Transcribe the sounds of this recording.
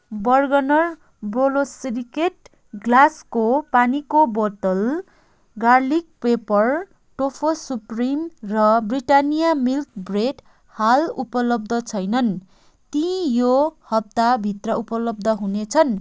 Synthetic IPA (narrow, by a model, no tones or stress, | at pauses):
bʌrɡʌnʌr | bolosrikeʈ̚ | ɡlaskopanikobot̪ʌl | ɡarlik̚pepʌr | ʈopʰosuprimrʌbriʈanijamilkbreʈ | halupʌlʌb̚d̪ʱʌt͡sʰʌjnʌn | t̪ĩjohʌb̚t̪abʱit̪rʌupʌlʌb̚d̪ʱʌɦunet͡sʰʌn